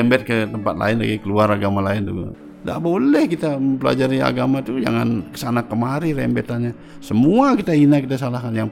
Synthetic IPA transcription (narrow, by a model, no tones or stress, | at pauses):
ɛmbɛt̪̚kət̪əmpat̪̚la̰ɪnla̰ɡikəluaɾaɡamalaɪnd̪uɡa̰ | da̰ʔbolɛhkit̪aməmpəla̰d͡ʒaɾia̰ɡamat̪ud͡ʒa̰ŋankə̥sanakəmaɾirɛ̰mbɛt̪anɲa | səmuakit̪ainakit̪asalahkanjaŋ